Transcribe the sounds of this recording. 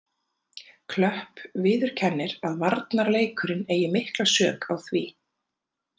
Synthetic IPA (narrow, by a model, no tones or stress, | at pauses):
kʰlœhpvɪːðʏɾ̥cʰɛnːɪɾaðvaɾt̪naɾleːjkʏɾɪneːjɪmɪhklasœːkawθviː